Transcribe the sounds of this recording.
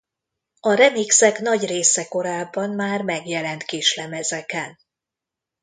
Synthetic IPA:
ɒɾɛmiksɛkn̪ɒɟreːsɛko̞ɾaːbːɒnmaːrmɛɡjɛlɛnt̪keːʃlɛmɛzɛkɛn

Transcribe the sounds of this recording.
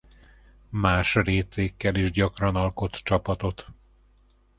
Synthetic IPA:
maːʃreːt̪eːkːɛliʒɟɒkrɒnɒlko̞t̪t͡ʃɒpɒt̪o̞t̪

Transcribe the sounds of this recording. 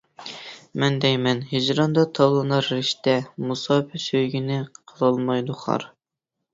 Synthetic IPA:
mɛnd̪ɛjmɛnɦid͡ʒɾɑnd̪ɑt̪ʰɑwlˠɨnɑɾːɪʃt̪ɛmusɑːpʰɪsøjɡʲinɪqʰəlˠɑlˠmɑjd̪uχɑ̰ɾ

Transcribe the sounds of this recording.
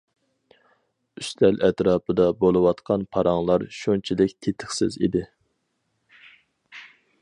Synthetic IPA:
yst̪ʰɛlɛt̪ɾɑːpʰɨd̪ɑbolˠɨwɑt̪qʰɑnpʰɑɾɑŋlˠɑɾʃunt͡ʃʰilɪkʲt̪ʰet̪ʰɪχsɪ̰zḭd̪ɪ

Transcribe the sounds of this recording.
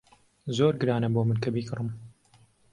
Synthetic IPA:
zoːɾɡɨɾaːnɐboːmɨnkɐbiːkɨrɨm

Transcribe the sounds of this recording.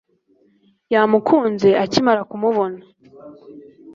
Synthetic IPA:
jamukʰuːnze̞ʔacimaɾakumuβo̞na

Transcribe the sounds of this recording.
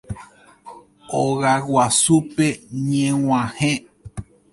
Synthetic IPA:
oɣawwasupeɲẽw̃ʷãhẽ

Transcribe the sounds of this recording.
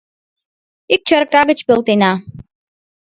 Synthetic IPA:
ik̚t͡ɕərkɑɣət͡ɕpølt̪enɑ

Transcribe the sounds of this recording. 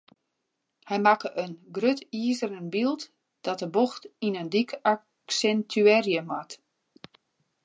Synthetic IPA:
hɛjmakəʔənɡrøtiəzəɾənbilˠt | d̥ɔt̚əboxtinəndika | sɛntʰyɛrjəmat

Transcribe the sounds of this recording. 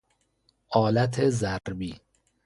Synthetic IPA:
ʔɒːlæt̪ʰezæɾbiː

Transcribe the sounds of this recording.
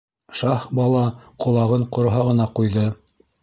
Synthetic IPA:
ʃɑχbɑlˠɑqŏlˠɑʁɤɴqŏɾɦɑʁɤ̆nɑqujðɤ

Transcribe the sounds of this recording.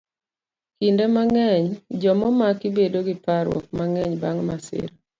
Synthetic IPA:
kindemaŋɛɲd͡ʒɔmɔmakibedoɡɪpaɾwɔ̰k̚maŋɛɲbaŋmasɪ̰ɾ

